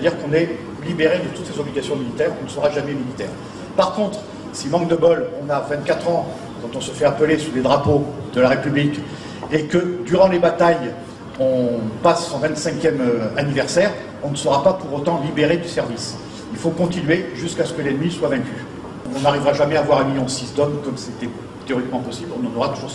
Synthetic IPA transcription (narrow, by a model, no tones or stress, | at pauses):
set̪ad̪iʁkɔ̃nɛ | libeʁed̪ət̪ut̪sezɔbliɡʲasjɔ̃milit̪ɛːʁɔ̃nəsəʁaʒamɛmilit̪ɛ̰ːʁ | paʁkɔ̃t̪χ | simɑ̃k̚d̪əbɔlɔ̃navɛ̃t̪̚kat̪χɑ̃ | kɑ̃t̪ɔ̃səfɛapəlesuled̪ʁapod̪əlaʁepyblik | ekəd̪yʁɑ̃lebat̪aj | ɔ̃pasːɔ̃vɛ̃nt̪sɛ̃kʲjɛmøanivɛʁsɛʁ | ɔ̃nəsəʁapapuʁot̪ɑ̃libeʁed̪ysɛʁvis | ilfokɔ̃t̪inɥeʒyskasə̥kəlɛnmiswavɛ̃kʲy | ɔ̃ɔ̃naʁivʁaʒamɛavwaʁaniɔ̃sisd̪ɔmkɔmset̪ɛ | t̪eɔʁikmɑ̃pɔsiblɔ̃nɑ̃nɔʁat̪uʒuʁs